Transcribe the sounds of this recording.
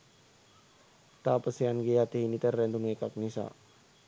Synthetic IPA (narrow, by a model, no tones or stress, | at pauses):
t̪aːpəsianɡeat̪eɦinit̪əɾːɛnd̪uŋekak̚nisa̰